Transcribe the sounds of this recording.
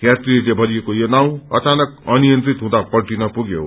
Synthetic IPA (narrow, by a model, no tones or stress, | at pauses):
kjatrilebʱʌɾiekojonaw̃ʌt͡sanʌkʌnijʌnt̪ɾit̪ɦũd̪apʌrʈinʌpuɡjo̰